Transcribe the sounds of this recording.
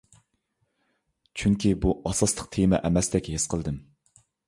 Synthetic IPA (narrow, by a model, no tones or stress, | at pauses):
t͡ʃʰyŋkʲibuʔɑsɑslˠəq̚t̪ʰemɛ̰ʔɛmɛsd̪ɛkʲhesqʰəlˠd̪ɨm